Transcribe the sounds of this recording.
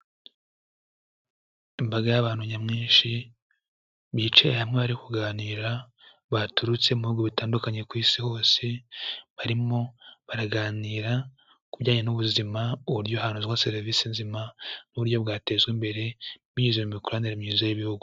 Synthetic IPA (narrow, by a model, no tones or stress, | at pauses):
imbaɡajaβaːn̥huɲamŋiːnʃi | βit͡ʃejehamŋeβaɾikuɡaːniːɾa | βatuɾut͡se̞umuhuːɡuβitaːndukaɲe̞kwiːsiho̞ːse̞βaɾimo̞βaɾaɡaːniːɾa | kubɟaːɲenuβuzimauβuɾjo̞haːnuzwaseɾvisinzimanuβuɾjo̞βɡaːte̞ːzɡwimbe̞ɾe̞βiɲizemumikuɾaniɾemɲiːzajiβihuɡu